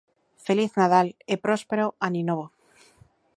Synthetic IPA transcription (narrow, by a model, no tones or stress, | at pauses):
feliθnað̞alepɾospeɾoaninoβo